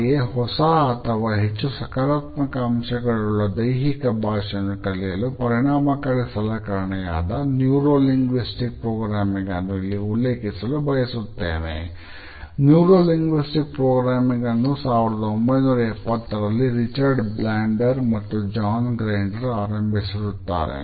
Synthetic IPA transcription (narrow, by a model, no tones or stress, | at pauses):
eɦɔsɐːt̪ʰɐʋaːɦet͡ʃːusɐkaːɾaːt̪mɐkɐːmʃɐɡɐɭuɭːɐd̪ɐjɦikɐbʱaːʂɐnːukɐɭijɐlupɐɾiɳaːmɐkɐɭisɐlɐkɐɾɐɳɐja̰ːd̪ɐnjuːɾoːliŋɡʋisʈik̚pɾoːɡɾaːmiŋɡɐnːuilːiulːeːkisɐlubʱɐjɐsut̪ːḛːnḛ | njuːɾoːliŋɡʋisʈik̚pɾoːɡɾaːmiŋɡɐnːusaːʋiɾɐd̪ɐombɐjnuːɾɐɛpːɐt̪ːɐɾɐlːiɾit͡ʃɐɾɖblaːɳɖɐɾmɐt̪ːud͡ʒaːnɡɾeːɳɖɐɾaːɾɐmbʱisiɾut̪ːa̰ːɾḛ